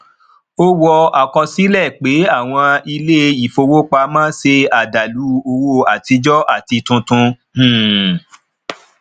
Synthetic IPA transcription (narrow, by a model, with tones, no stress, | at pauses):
o˦wɔ˧a˨kɔ˧si˨˦lɛ˦˨k͡pe˨˦a˦˨w̃ɔ̃˧i˧le˦i˨fo˧wo˦k͡pa˧mãː˦se˧a˨da˨lu˨˦o˧wo˧˨a˨ti˧d͡ʒɔ˦ʔa˦˨ti˧tũ˧tũ˧˨